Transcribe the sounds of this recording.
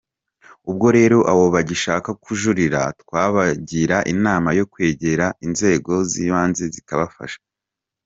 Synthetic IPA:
ub̚ɡo̞ɾe̞ːɾo̞ʔawo̞βaɟiʃaːkakuʒuɾiɾa̰tkwaːβaɟiɾaʔinaːmajo̞kwe̞ːɟe̞ɾainze̞ːɡo̞ziːβaːnze̞zikaβafa̰ʃḁ

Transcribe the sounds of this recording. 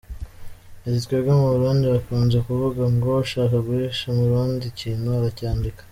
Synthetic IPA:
ezitkweɾɡomuβuɾuːndiβakuːnzekuvuɡamɡoaʃaːkaɡuɾeʃamuɾuːndiciːnuaɾacaːndikḁ

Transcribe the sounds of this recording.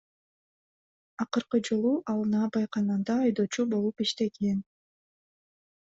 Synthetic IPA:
ɑqɯɾqɯd͡ʒɯlˠuʔɑlˠnɑːbɑjqɑnɯnd̪ɑːjd̪o̞ːt͡ʃubo̞lˠupiʃt̪e̞ɡen

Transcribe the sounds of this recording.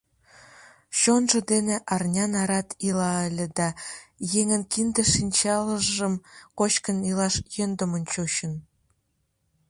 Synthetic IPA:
ɕonʒə̆d̪eneʔɑrnʲɑnɑɾɑt̪ilɑəlʲĕd̪ɑjeŋənkind̪ĕʃinʲt͡ɕɑləʒʒəmkot͡ɕkənilɑʃjønd̪əmonʲt͡ɕoɕən

